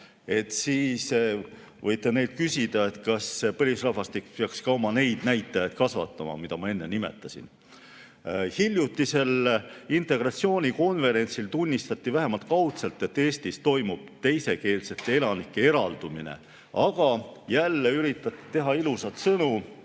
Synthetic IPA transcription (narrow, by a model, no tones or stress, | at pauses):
e̞t̪ːˑsiːs | vɤjt̪ːˑe̞ne̞jd̪̥̚kysid̪̥ɑe̞t̪kɑspɤlisrɑhvɑst̪ikpeɑkskɑwmɑne̞jd̪̥næjt̪ˑːɑjɑd̪̚kɑsvɑ̰t̪ːˑɑmɑ̰mid̪ɑmɑe̞nːenime̞̰t̪ˑːɑsḭn | hilʲjut̪ˑːise̞lint̪ˑe̞ɡ̥rɑt̪sio̞ːnʲiko̞nve̞ɾe̞nʲsilt̪unʲːist̪ɑt̪ːˑivæɦe̞mɑlt̪̚ˑkɑwt̪selt̪ːˑe̞t̪ːe̞ːsʲt̪ist̪o̞jmub̥̚t̪e̞jse̞ke̞ːlse̞t̪ːˑee̞lɑnikːee̞ɾɑld̪̥uminḛ | ɑɡ̥ɑjælːeyɾit̪ːˑɑt̪ːˑi̥t̪e̞ɦɑilusɑt̪sɤnu